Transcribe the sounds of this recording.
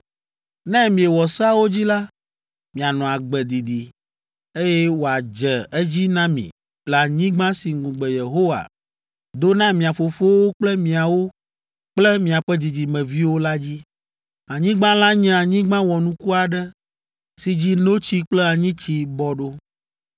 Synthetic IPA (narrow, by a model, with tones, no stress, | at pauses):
nɛ̃˦mĩ˨e˨wɔ˨sa˦wo˦d͡ʑi˦la˦ | mĩ˨a˨nɔ̃˨a˨ɡ͡bɛ˨d̪i˨d̪i˨ | e˦jɛ˦wo˨a˨d͡ʒɛ˨ɛ˦d͡ʑi˦nã˦mḭ̃˨ | la˨ɲĩ˦ɡ͡bã˦si˨ŋũ˨ɡ͡bɛ˨je˨ɦo˦wa̰˨ | d̪o˦nã˦mĩ˨a˨fo˨fo˦wo˦k͡plɛ˦mĩ˨a˨wo˦ | k͡plɛ˦mĩ˨a˨ɸɛ˦d̪i˨d͡ʑi˨mɛ̃˨vi˦wo˦la˦d͡ʑi˦ | a˨ɲĩ˦ɡ͡bã˦la˦ɲɛ̃˦a˨ɲĩ˦ɡ͡bã˦wɔ˨nũ˦ku˦a˨ɖɛ˦ | si˨d͡ʑi˦no˦t͡ɕi˦k͡plɛ˦a˨ɲĩ˦t͡ɕi˦bɔ˨ɖo˦